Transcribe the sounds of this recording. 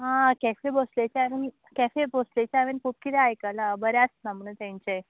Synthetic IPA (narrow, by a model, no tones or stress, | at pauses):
ɦãkɛfeboslet͡ɕeaʋen | kɛfeboslet͡ɕeaʋenkʰup̚kit̪eajkəlabəɾjasnamuɳt̪jãɲt͡ɕe